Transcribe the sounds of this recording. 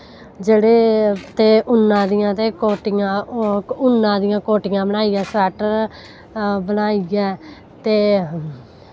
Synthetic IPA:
d͡ʒeːɽeːt̪eːʔʊnːãːd̪ɪjãːt̪eːkoːʈɪjãːʊnːãːd̪ɪjãːkoːʈɪjãːbənaːijɛːsɛːʈəɾ | bənaːiɡɛː | t̪eː

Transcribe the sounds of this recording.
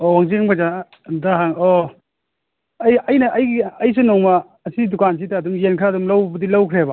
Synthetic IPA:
owaŋziŋbaza | daɦaŋo | jɐjnɐʔːjɡijs̬unɔŋmaː | sidukans̬ʰitaːdumjenkʰɾadumlawbɐbɐdilawkʰɾeba

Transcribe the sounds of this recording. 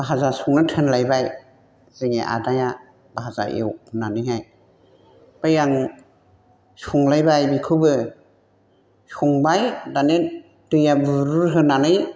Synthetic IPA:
baɦazasuŋnɯtʰɯnlajbaj | zɯŋḛʔa̰daja | baɦaza̰ʔḛwnanɯjɦaj | pajaŋ | suŋlajbajbikʰɯbɯ | suŋbajdane | dɯjabɯɾuɾɦɯnanɯj

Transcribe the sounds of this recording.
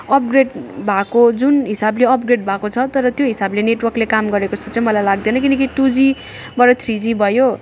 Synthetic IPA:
ʌp̚ɡreɖbʱakod͡zunɦisableʌp̚ɡreɖ̚bʱakot͡sʰʌt̪ʌɾʌt̪joɦisableneʈwʌrklekamɡʌɾekot͡sʰʌt͡sãĩmʌlajlaɡ̚d̪enʌkinʌkiʈud͡zi | bʌɾʌt̪ʰrid͡zibʱʌjo

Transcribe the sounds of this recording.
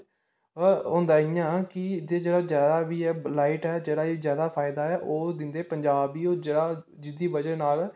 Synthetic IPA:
ɦõːnd̪aːɪjãːkɪd̪eːd͡ʒeːɽaːzjaːd̪aːbiːɛːlaːɪʈɛːd͡ʒeːɽaːizjaːd̪aːpʰaːɪd̪aːɛːʔoːd̪ɪnd̪eːpəɲd͡ʒaːbiːoːd͡ʒeːɽaː | d͡ʒɪd̪iːbəd͡ʒəɾnaːl

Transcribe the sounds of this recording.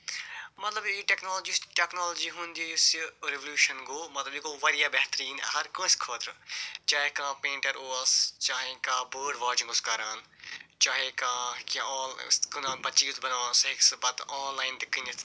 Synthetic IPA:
mɐt̪lɐbiʈɛːknoːlːd͡ʒisʈeknoːloːd͡ʒiːɦũnd̪iːsɾeʋəljuːʃɐnɡoːmɐt̪lɐbikoːʋɐɾijaːbɛːt̪ɾiːnɦɐɾkõːskʰoːt̪ɾt͡ʃaːɦekãːpẽːɳʈɐɾoːɐst͡ʃaːɦẽkãːbəːɖʋaːd͡ʒɪ̃ŋɡoːskɐɾaːnt͡ʃaːɦekãːkjãːkʊnãːbɐt͡ʃiːt̪bɐnaːnsɦɪksbɐt̪aːnlaːɪnd̪ɪkinɐt̪ʰ

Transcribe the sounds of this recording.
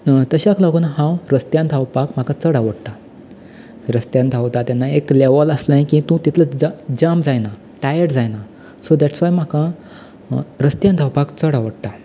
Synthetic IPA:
t̪əɕaklaɡuːnaɦãwɾəst̪jãnt̪ʰawpakm̤akat͡səɽaʋəɽt̪a | ɾəst̪jãnt̪ʰawt̪at̪janːaekleʋələslãjkĩt̪ũt̪it̪ʰlət͡sd͡zad͡ʑamd͡zajna | ʈajəʈd͡zajna | sod̪æʈsʋajm̤aka | ɾəst̪jãnt̪ʰawpakt͡səɽaʋəɽʈ̪a

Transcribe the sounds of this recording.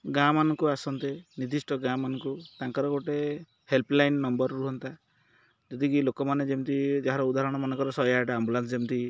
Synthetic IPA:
ɡamanɔŋkuasɔnt̪enid̪ʱisʈʰɔɡamanɔŋkut̪aŋkɔɾɔɡoʈe | helplajnnɔmbɔɾɔɾuɦɔnt̪a | d͡ʒɔd̪ikilokɔmaned͡ʒeũt̪id͡ʒaɦaɾɔud̪aɦɾɔɽ̃ɔmanekɔɾɔsɔjaʈaambulansd͡ʒeũt̪i

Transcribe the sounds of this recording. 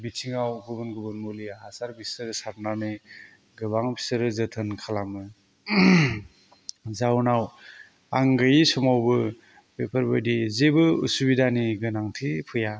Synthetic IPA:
bitʰiŋawɡubɯnɡubɯnmuliasaɾbisɯɾsaɾnanɯ | ɡɯbaŋbʰi̥sɯɾɯzɯtʰɯnkʰalamɯ | zawnaw | aŋɡɯjsɔmawbɯ | bepʰɯɾbɯjdizebɯṵsubidaniɡɯnaŋtʰipʰɯja

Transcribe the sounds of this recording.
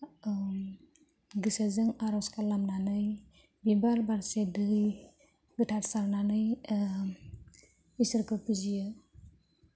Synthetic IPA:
ɡɯsazɯŋaɾɔskʰalamnanɯj | bibalbaɾsedɯj | ɡɯtʰatsaɾnanɯj | isɯɾkɯpizijɯ

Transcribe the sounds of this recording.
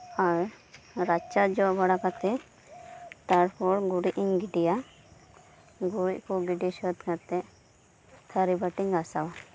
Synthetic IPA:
aɾ | ɾat͡ʃad͡ʒɔbaɽakat̪ɛ | t̪aɾpʰɔɾɡuɽiʔiŋɡiɖija | ɡuɽickɔɡiɖisɔt̪kat̪ɛ | t̪ʰaɾibaʈiŋasawa

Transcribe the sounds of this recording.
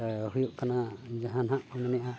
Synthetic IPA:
ɦujoʔkʰanazaɦãnɦaʔmanɛʔa

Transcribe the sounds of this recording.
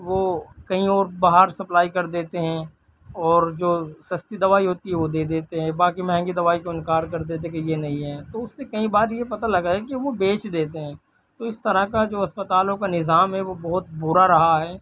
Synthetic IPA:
ʋokɐɦĩɔːɾbaːɦaɾsɐplaːikɐɾd̪eːt̪eɦɛ̃ | ɔːɾd͡ʒoːsɐst̪id̪ɐʋaːiɦoːt̪iɦɛʋod̪eːd̪eːt̪eɦɛ̃baːkimɐɦɛ̃ŋɡid̪ɐʋaːikoɪnkaːɾkɐɾd̪eːt̪̬ẽkejenɐɦĩɦɛ̃ːt̪oʊsːekɐɦĩbaːɾjepɐt̪alɐɡaɦɛkiʋobeːt͡ʃd̪eːt̪eɦɛ̃ː | t̪oːɪst̪ɐɾakad͡ʒoːɐspət̪aːlõkanɪzaːmɦɛʋobɐɦʊt̪bʊɾaɾɐɦaɦɛː

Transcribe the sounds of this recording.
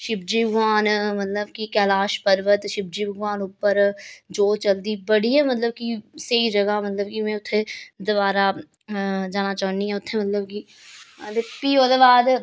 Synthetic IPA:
ʃɪbd͡ʒibəɡʋaːnmɐt̪ləbkikɛːlaːʃpəɾʋət̪ʃɪb̚d͡ʒibʱəɡʋaːnʊpəɾd͡ʒoːt͡ʃɐld̪ibəɽiɦɛmɐt̪ləb̚kiseid͡ʒɐɡamɐt̪ləbkimẽʊt̪ʰːed̪ʊbaːɾa | d͡ʒaːnat͡ʃaːniɦɛʊt̪ʰːemɐt̪ləbki | əd̪epiːoːd̪eʋaːd̪

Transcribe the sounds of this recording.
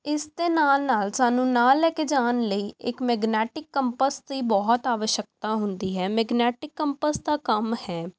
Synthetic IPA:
ɪsd̪eːnaːlnaːlsaːnũːnaːlɛːkeːd͡ʒaːnləiːɪkmɛːɡnɛːʈɪkːəmpəsd̪iːbɔːt̪aːʋəʃjək̚t̪aːɦʊnd̪iːɦɛːmɛːɡnɛːʈɪkːəmpəsd̪aːkəmhɛː

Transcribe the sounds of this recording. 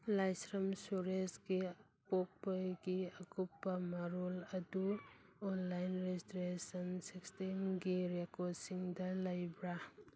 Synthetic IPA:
lajsɾɐmsuɾesɡi | pok̚pɐjɡiɐkupːɐmɐɾolɐdu | ɔnlajnɾestɾesɐnsekstimɡiɾekɔdsiŋdɐlɐjbɾa

